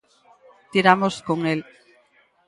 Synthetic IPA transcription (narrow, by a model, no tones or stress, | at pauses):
t̪iɾamoskoŋel